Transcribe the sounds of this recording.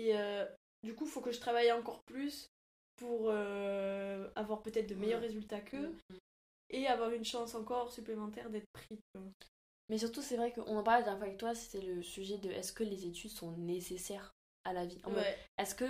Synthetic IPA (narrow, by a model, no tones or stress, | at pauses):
eø | d̪ykufokəʒət̪χavajɑ̃kɔʁplys | puʁø | avwaʁpøt̪ɛt̪χd̪əmejœʁːezylt̪akʰə | eavwaʁynʃɑ̃sɑ̃kɔʁsyplemɑ̃t̪ɛʁd̪ɛt̪χəpχizkɛ̃ | mɛs̬yʁt̪usɛvʁɛkəʔɔ̃nɑ̃paʁld̪jɛfavɛk̚t̪wase̥t̪ɛləsyʒɛd̪əʔɛskəlezet̪yd̪sɔ̃nesesɛʁ | alaviʔɑ̃fɛɛɛskə